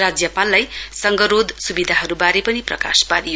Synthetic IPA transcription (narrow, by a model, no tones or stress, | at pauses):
rad͡zjʌpalːajsʌŋɡʌɾod̪ʱsubid̪ʱaɦʌɾubaɾepʌniprʌ̰ka̰sbaɾi